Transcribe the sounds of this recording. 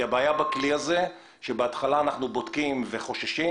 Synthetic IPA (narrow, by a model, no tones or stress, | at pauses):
abaːjabakliaze | ʃebeat̪χalaːnaχnubo̞t̪kimveχo̞ʃaʃi